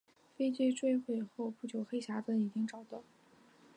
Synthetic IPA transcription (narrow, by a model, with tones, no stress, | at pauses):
fe˥ɪt͡ɕwe˥˧ɪʈ͡ʂwe˥˧xwe˥˧ɪxo˥˧ʊpu˥˩t͡ɕjo˨˩ʊxe˥ɪɕja˧˥fə˥ni˨˩t͡ɕi˥ŋʈ͡ʂɑ˨˩ʊt̪ɑ˥˩ʊ